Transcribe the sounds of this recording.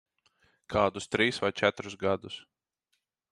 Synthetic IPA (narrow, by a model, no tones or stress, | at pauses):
kʰaːd̪ust̪ɾiːsvajt͡ʃæt̪ɾusɡad̪us